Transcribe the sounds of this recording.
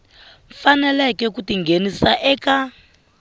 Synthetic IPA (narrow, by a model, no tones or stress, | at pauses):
ɱfanɛlɛkɛkutiŋɡenisaʔɛːka